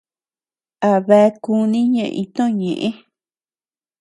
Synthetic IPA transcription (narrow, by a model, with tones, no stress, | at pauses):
a˨βe˧˦˧ku˧nĩ˦ɲẽ˧˨ʔĩ˧t̪õ˦˨ɲẽ˨ʔẽ˦